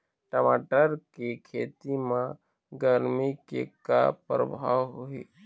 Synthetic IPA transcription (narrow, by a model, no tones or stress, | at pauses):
ʈəmaːʈəɾkekʰeːt̪imã | ɡəɾmikeka̰pɾə̰bʱawɦuiː